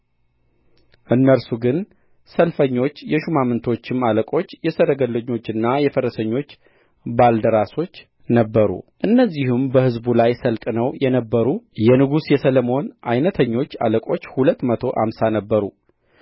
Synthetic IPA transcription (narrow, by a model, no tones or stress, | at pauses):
ʔɨnːəɾsuɡɨn | səlfəɲːo̞t͡ʃːjɛʃumamɨnt̪ʰo̞t͡ʃːɪmaləkʼo̞t͡ʃːjɛsəɾəɡəlːəɲːo̞t͡ʃːɨnːajɛfəɾəsəɲːo̞t͡ʃː | bald̪əɾaso̞t͡ʃː | nəbːəɾṵʔɨnːəzːihumbəhɨzbulajsəlt̪ʼnəwjɛnəbːəɾujɛnɨɡusjɛsələmo̞nʔajnət̪ʰəɲːo̞t͡ʃːa̰ləkʼo̞t͡ʃːhulət̪ːmət̪ʰo̞ʔa̰msanəbːəɾu